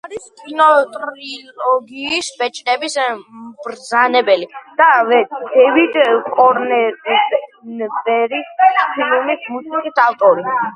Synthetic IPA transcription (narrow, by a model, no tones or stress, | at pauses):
aɾiskʼinɔt̪ʼɾilɔɡiːsbɛt͡ʃʼnɛbisbɾd̪zanɛbɛlid̪̥avɛd̪ɛvid̪kʼɔɾnɛɾ | bɛɾispʰilmismusikisalt̪ʼɔɾi